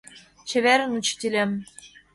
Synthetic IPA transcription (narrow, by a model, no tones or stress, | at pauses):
t͡ɕĕβeɾɘ̆nut͡ɕt̪ʲilʲem